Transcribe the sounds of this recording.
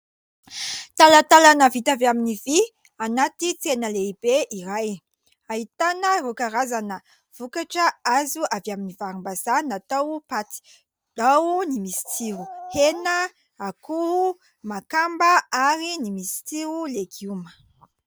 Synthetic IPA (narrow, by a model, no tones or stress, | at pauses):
t̪alat̪alanəvit̪avjaminivi | anat̪it͡senəleib̥eʔiɾaj | ait̪anərukaɾazanə | v̥ukaʈ͡ʂəazuavjaminivaɾumbazanat̪awpat̪i̥ | d̪̥awnimisi̥t͡siɾuhenə | akuhu | makambəaɾinimisi̥t͡s̪iɾuleɡumə̥